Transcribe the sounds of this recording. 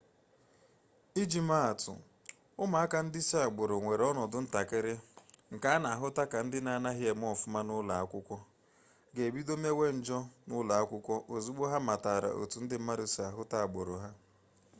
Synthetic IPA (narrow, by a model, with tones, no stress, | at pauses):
i˦d͡ʒi˨ma˦a˨tʊ̰˨ | ʊ˦ma˨a˦ka˨n̩˦dɪ˦sa˨ɡ͡bo˨ɾo˨ŋʷe˨ɾɔ˦nɔ˨dʊ˦n̩˦ta˨kɪ˦ɾɪ˦ŋ̩˨ka˨a˦na˨a˨ɦʊ˦ta˦ka˨n̩˦dɪ˦na˦˨na˦ɦɪ˦e˨m˦ɔ˦˨fʊ˦ma˦nʊ˦la˨a˦kʷʊ˦kʷɔ˦ | ɡe˨bi˦do˦me˦we˦n̩˦d͡ʒɔ˦nʊ˦la˨a˦kʷʊ˦kʷɔ˦ʔo˨zu˦ɡ͡bo˦ɦa˦ma˨ta˨ɾa̰˨ʔo̰˨tu˨n̩˦dɪ˦m̩˦ma˦ɾu˨si˨a˨ɦʊ˦ta˦a˨ɡ͡bo˨ɾo˨ɦa˦